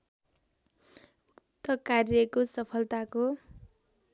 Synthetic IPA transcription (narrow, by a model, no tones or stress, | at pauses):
ut̪ːʌkarjʌkosʌpʰʌlt̪ako